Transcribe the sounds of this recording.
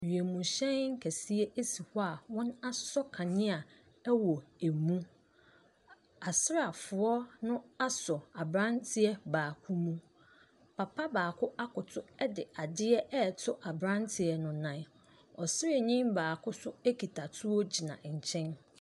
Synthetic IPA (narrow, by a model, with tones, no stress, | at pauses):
ɥi˨e˨mũ˨ɕɛ̃˦nŋ̩˦kʰæ˨si˦e˦ʔe˦si˨hɔ˦a˨wɔ̃˦na˦ssɔ˦kʰã˨nɪ̃˦a˨ | ɛ˦wɔ˨e˨mũ˦ | a˨sɪ˦ɾa˨fʊ˨ɔ˦nʊ̃˦a˦sɔ˨a˨bɾã˦ntʰɪ˦ɛ˦baː˨kʰu˦mũ˦ | pʰa˨pʰa˦baː˨kʰʊ˦ʔa˦kʊ˨tʰʊ˦ɛ˦dɪ˨a˨dɪ˦ɛ˦ɛ˦˨tʰʊ˦ʔa˨bɾã˦ntʰɪ˨ɛ˨nʊ̃˨nã˨n | ɔ˨sɪ˦ɾɪ˨ɲĩ˦mbaː˨kʰʊ˦sʊ˦æ˦kʰi˨tʰa˨tʰʊ˦ɔ˦d͡ʑi˨nã̰˨ɲ̩˨t͡ɕʰɛ̃˦n